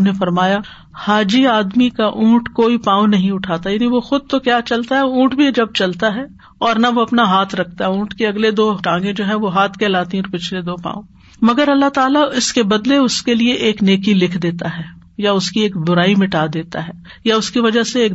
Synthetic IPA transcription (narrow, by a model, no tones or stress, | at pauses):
nefɐɾmaːja | haːd͡ʒiaːd̪mikaʔũːʈkoːipãːõnɐɦĩʊʈʰaːt̪ajaːniʋoxʊd̪̚t̪okjaːt͡ʃɐlt̪aɦɛũːʈbʱid͡ʒɐb̚t͡ʃɐlt̪aɦɛː | ɔːɾnɐʋoɐpnaɦaːt̪ʰɾɐkʰt̪aɦɛũːʈkeɐɡled̪oːʈãːŋɡẽd͡ʒoːɦɛ̃ʋoɦaːt̪ʰkɛːlaːt̪ĩɔɾpɪt͡ʃʰled̪oːpã̰ːõ | mɐɡəɾɐlːat̪aːlaɪskebɐd̪leʊskelieʔeːkneːkilɪkʰd̪eːt̪aɦɛː | jaʊskieːkbʊɾaːimɪʈaːd̪eːt̪aɦɛː | jaʊskiʋɐd͡ʒaɦseeːk